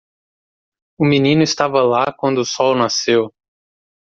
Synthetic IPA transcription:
ʊminĩnʊɪst̪avɐlakwɐ̃nd̪ʊːsɔwnasew

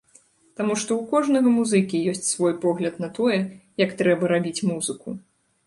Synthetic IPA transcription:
t̪amuʂt̪ɔwkɔʐnɐɣɐmuzɨkʲijɔsʲt͡sʲsvɔjpɔɣlʲɐt̪nɐt̪ɔjɛjɐkt̪ɾɛbɐɾabʲit͡sʲmuzɨku

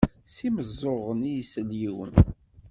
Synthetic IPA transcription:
siməzˤːoʁənijsəljiwə̰n

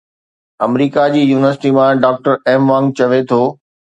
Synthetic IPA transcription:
ɐmɾiːkad͡ʑiːjuːnɪʋəɾsɪ̥ʈimãɖaːk̚ʈəɾɛːmʋãːŋɡ̚t͡ɕɐʋet̪ʰoː

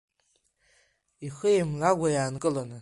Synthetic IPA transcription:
iχəjemlaɡʷajaːnkʼɨlanɨ

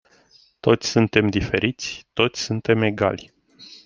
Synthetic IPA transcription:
t̪o̞t̪sʲsunt̪e̞md̪ife̞ɾit̪sʲt̪o̞t̪sʲsunt̪e̞me̞ɡa̰lʲ

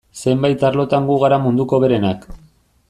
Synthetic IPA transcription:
se̞mbajt̪aɾlo̞t̪aŋɡuɣ̞aɾamund̪uko̞βe̞ɾe̞nak

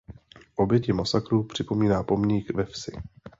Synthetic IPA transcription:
ʔo̞bjɛcɪmasakɾuːpr̝̥ɪpo̞miːnaːpo̞mɲiːkvɛfsɪ

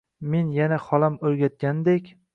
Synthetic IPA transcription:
me̞njanaχɒlamɵɾɡʲat̪̚ɡʲand̪ekʲ

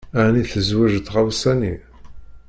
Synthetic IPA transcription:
æʕniθəzwæʒət̪ːʁawsæni

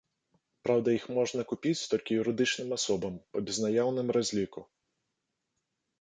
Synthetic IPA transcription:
pɾawd̪ɐjixmɔʐnɐkupʲit͡sʲt̪ɔlʲkʲijuɾɨd̪ɨt͡ʂnɨmasɔbɐmpɐbʲɛznajawnɨmrazʲlʲiku

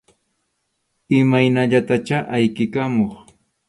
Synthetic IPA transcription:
ɪmajnaʎat̪at͡ʃaʔajkɪkamoχ

